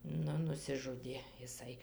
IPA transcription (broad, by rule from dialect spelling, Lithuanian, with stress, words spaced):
ˈnʊ nʊsʲɪˈʒʊdʲeː ɪˈsɐɪ